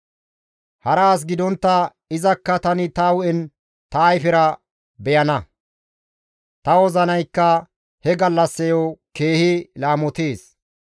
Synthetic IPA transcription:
hɐɾaːs̬ɡɪd̪ɔnt̪ːɐ | ɪzɐkːɐt̪ɐnɪt̪ɐwʊɛn | t̪ɐːjfɪɾɐ | bɛjɐnɐ | t̪ɐwɔzɐnɐjkːɐ | hɛɡɐlːɐsːɛjoke̞ːhɪlaːmɔt̪eːs

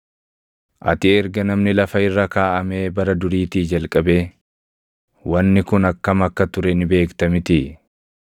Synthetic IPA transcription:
ʔɐ̰t̪ɪɛɾɡɐnɐmnɪlɐfɐɪrːɐkaːʔɐme̞ːbɐɾɐd̪ʊɾiːt̪iːd͡ʒɐlkʼɐbeː | wɐnːɪkʊnɐkːɐmɐkːɐt̪ʊɾɛnɪbe̞ːkt̪ɐmɪt̪ɪ

